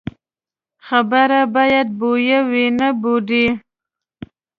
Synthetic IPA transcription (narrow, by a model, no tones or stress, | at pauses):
xabəɾabɑjad̪̚bojawinaboɖi